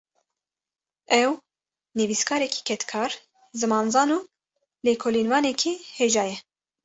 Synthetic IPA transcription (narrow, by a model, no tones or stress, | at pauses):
ɛw | nɨviːskʰɑːɾɛkʰi̥ːkʰɛt̪kʰɑːɾ | zɨmɑːnzɑːnuː | leːkʰoːliːnvɑːnɛkʰiːheːʒɑːjɛ